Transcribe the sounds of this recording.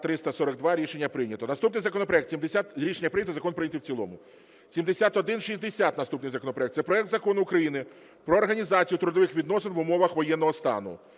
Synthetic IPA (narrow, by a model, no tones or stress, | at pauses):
t̪ɾɪst̪ɐsɔɾɐɡ̚d̪ʋɑɾʲiʃenʲːɐpɾɪnʲɐt̪ɔnɐst̪upnɪjzɐkɔnɔpɾɔɛkt̪sʲimd̪esʲat̪ɾʲiʃenʲːɐpɾɪnʲɐt̪zɐkɔnpɾɪnʲɐt̪ɪwt͡sʲilˠɔ̰mʊ | sʲimd̪esʲat̪ɔd̪ɪnʃizʲd̪esʲat̪nɐst̪upnɪjzɐkɔnɔpɾɔɛkt̪ɛpɾɔɛk̚t̪zɐkɔnʊːkɾɐjinɪ | pɾɔːrɦɐnʲizɑt͡sʲijʊt̪ɾʊd̪ɔʋɪxʋʲid̪nɔsɪnʋʊmɔʋɐxʋɔjɛnːɔɦɔst̪ɑ̰nʊ̰